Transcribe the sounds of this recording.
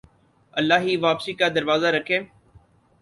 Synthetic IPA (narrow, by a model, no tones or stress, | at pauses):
ɐlːaːɦiːʋaːpsiːkad̪ɐɾʋaːzaɾəkʰẽː